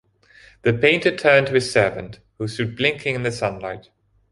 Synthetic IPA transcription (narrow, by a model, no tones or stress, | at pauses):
ðɨpʰẽɪ̃ntə˞tʰɜ̃˞ntʰɨɨz̥sɜ˞və̰̃nt | hustʊd̚blɪ̃ŋkʰɪ̃ŋɨ̃nðɨsʌ̃nlaɪt̚